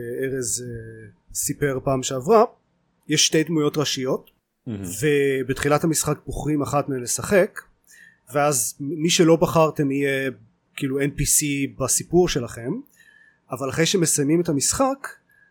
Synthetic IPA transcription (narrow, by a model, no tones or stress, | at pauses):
eʁez | sipe̞ʁpaːmʃeavʁa | jeʃːte̞jdmujo̞tʁaʃijo̞t | vebetχilathamisχak̚boχʁimaχatmeenlesaχe̞k | veazmiʃelo̞baχaʁte̞mije | kiːluenpisibasipuʁʃe̞laχe̞m | avalaχejʃemesajmimetamisχak